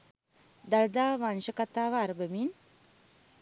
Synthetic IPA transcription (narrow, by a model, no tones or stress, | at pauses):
d̪ɐld̪aːʋanʃəkat̪aːʋaːɾbəmin